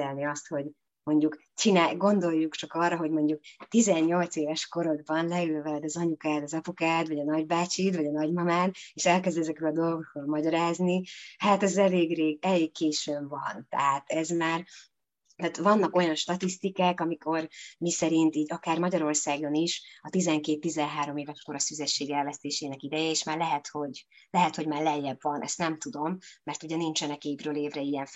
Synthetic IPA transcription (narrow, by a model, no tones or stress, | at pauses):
ɛlniɒst̪ho̞ɟ | mo̞ɲɟuk | t͡ʃinaːɡo̞nd̪o̞jːukt͡ʃɒkɒrːɒɦo̞ɟmo̞ɲɟuk̚t̪izɛɲːo̞lt̪seːvɛʃko̞ɾo̞d̪̚bɒnlɛylvɛd̪ɒzɒɲukaːd̪ɒzɒpukaːd̪vɒɟɒnɒɟbaːt͡ʃit̪vɒɟɒnɒɟmɒmaːneːʃɛlkɛzd̪ɛzɛkɛlɒd̪o̞lɡokːolmɒɟɒɾaːznihat̪ɛzɛleːɡreːɡɛleːkːeːʃøbvɒ̰nt̪ɛ̰ɦat̪ɛzmaːr | t̪aːt̪vɒnːɒko̞jɒnʃt̪ɒt̪ist̪ikaːkɒmikʰo̞rmisɛɾint̪iːɟɒkaːrmɒɟɒɾo̞rsaːɡo̞niʃɒt̪izɛŋkeːt̪ːizɛnɦaːɾo̞meːvɛʃkoɾɒsyzɛʃːeːɡɛlvɛst̪eːʃeːnɛkid̪ɛjɛeːʃmaːrlɛɦɛt̪ho̞ɟlɛɦɛt̪ho̞ɟmaːrlɛjːɛbvɒnʔɛ̰st̪nɛmt̪ud̪o̞mːɛrt̪uɟɛnint͡ʃɛnɛkeːvrøːleːvrɛijɛɱ